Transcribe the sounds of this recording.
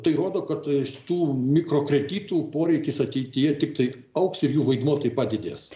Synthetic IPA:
t̪ɐɪɾoːd̪oːkɐt̪ʃʲt̪uːmʲɪkɾoːkɾʲɛd̪ʲiːt̪uːpoːɾʲɛɪkʲɪsɐt̪ʲɛɪt̪ʲɪjɛt̪ʲɪk̚t̪ɐɪ | ɐʊksɪɾjuːʋɐɪd̪moːt̪ɐɪpɑːd̪ʲɪd̪ʲḛːs

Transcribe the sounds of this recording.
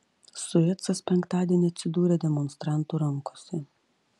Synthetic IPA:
sʊɛt̪sɐspʲɛŋkt̪ɑːd̪ʲiɛnʲiɐt̪ʲsʲɪd̪uːɾʲɛd̪ʲɛmɔnst̪ɾɑˑnt̪uɾɐŋˑkoːsʲɛ

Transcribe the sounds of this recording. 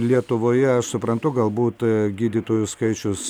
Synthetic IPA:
lʲiɛt̪ʊʋoːjɛɐʃsʊpɾɐnt̪ʊɡɐlˠbuːt̪ɡʲiːd̪ʲiːt̪oːjʊskɐɪt͡ʃʲʊs

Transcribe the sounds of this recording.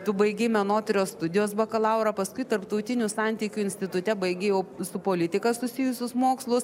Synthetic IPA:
t̪ʊbɐɪɡʲɛɪmʲɛnoːt̪ʲɾʲoːst̪ʊd̪ʲɪjoːsbɐkɐlˠɑʊɾɐpɐskʊɪt̪ɐɾpt̪ɐʊt̪ʲɪnʲʊsɑnʲt̪ʲikʲʊɪnʲsʲt̪ʲɪt̪ʊt̪ʲɛbɐɪɡʲejɛʊsʊpoːlʲɪt̪ʲɪkɐsʊsʲɪjʊsʲʊsmoːkslˠʊs

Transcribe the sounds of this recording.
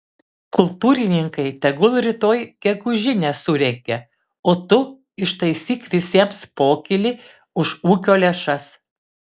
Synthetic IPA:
kʊlˠt̪uːɾʲɪnʲɪŋkɐɪt̪ʲɛɡʊlˠɾʲɪt̪oːjɡʲɛɡʊʒʲɪnʲɛsʊɾʲɛkʲɛ | oːt̪ʊ | ɪʃt̪ɐɪsʲiːklʲɪsʲeːmspoːkʲɪlʲɪ | ʊʃuːkʲoːlʲɛʃɐs

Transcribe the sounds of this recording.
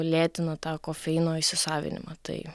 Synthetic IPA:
lʲeːt̪ʲɪnɐt̪ɑːkoːfʲɛɪnoːɪʃʲsʲɪsɑːʋʲɪ̰nʲɪ̰mɑt̪ɐ̰ɪ

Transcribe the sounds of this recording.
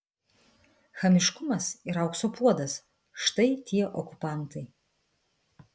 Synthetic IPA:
xɐmʲɪʃkʊmɐsiɾɐʊksoːpuɔd̪ɐs | ʃt̪ɐɪt̪ʲʰiɛʔɔkʊpɑˑnt̪ɐɪ

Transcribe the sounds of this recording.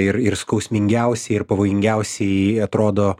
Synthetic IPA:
ɪɾɪɾskɐʊsʲmʲɪŋʲɡʲɛʊsʲɛɪɪɾpɐʋoːjɪŋʲɡʲɛʊsʲɛɪɐt̪ɾoːd̪oː

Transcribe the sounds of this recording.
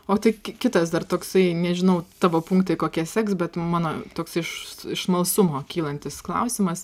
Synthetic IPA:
oːt̪ɐɪkʲkʲɪt̪ɐsd̪ɐrt̪oːksɐɪnʲɛʒʲɪnɐʊt̪ɑːʋoːpʊŋkt̪ɐɪkoːkʲiɛsʲɛksbʲɛt̪mɑːnoːt̪oːksɐɪɪʃɪʃmɐlˠsʊmoːkʲiːlˠɐnʲt̪ʲɪsklˠɐ̰ʊsʲɪmɐs

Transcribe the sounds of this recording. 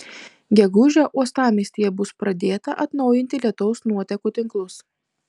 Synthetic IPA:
ɡʲɛɡʊʒʲɛʔuɔst̪ɑːmʲiːsʲt̪ʲiːjɛbʊspɾɐd̪ʲeːt̪ɐʔɐt̪nɒʊjɪnʲt̪ʲɪlʲiɛt̪ɔʊsnuɔt̪ʲɛkuːt̪ʲɪŋklˠʊs

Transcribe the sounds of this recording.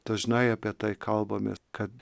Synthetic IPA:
d̪̥ɐʒnɐɪɑːpʲiɛt̪ɐɪkʰɐlˠbɐmʲḛskɐt̪

